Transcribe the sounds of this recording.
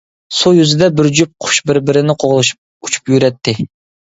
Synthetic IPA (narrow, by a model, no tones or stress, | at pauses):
sujyzɪd̪ɛbɪɾd͡ʒyp̚qʰʊ̥ʃbɪɾbɪɾɪnɪqʰoʁlˠɨʃ̚ | ut͡ʃʰu̥pjyɾɛt̪ʰːɪ